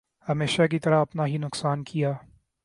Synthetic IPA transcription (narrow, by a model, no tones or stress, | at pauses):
hɐmeːʃak̬it̪ɐɾaɐpnaɦinʊqsaːnkʰijaː